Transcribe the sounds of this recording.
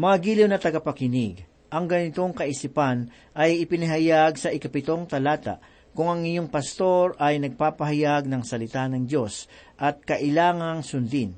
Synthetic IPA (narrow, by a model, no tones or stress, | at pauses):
mɐŋaɡiːlɪwnɐt̪ɐɡɐpɐkɪnɪɡ | ʔɐŋɡɐnɪt̪o̞ŋkɐʔɪsipan | ʔɐjɪpɪnɪɦɐjaɡsɐʔɪkɐpɪt̪o̞ŋt̪ɐlaːt̪a̰ʔ | kʊŋɐŋɪɲoŋpɐst̪o̞ɾɐjnɐɡ̚paːpɐɦɐjaɡ̚nɐŋsɐlɪt̪anɐŋd͡ʒo̞sʔɐt̪̚kɐʔɪlaːŋɐŋsʊnd̪ɪn